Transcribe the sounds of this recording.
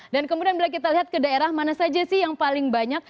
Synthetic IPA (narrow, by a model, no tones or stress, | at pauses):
dankəmudianbilak̬it̪aliɦat̪̚kədaeɾahmanasad͡ʒasɪhjaŋpalɪŋbaɲak̚